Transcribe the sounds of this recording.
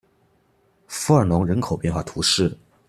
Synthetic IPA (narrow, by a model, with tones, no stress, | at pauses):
fu˧˥ə˞˨˩nʊ˧˥ŋɻə˧˥nkʰo˨˩ʊpjɛ˥˧nxwa˥˩t̪ʰu˧˥ʂɻ̩˥˩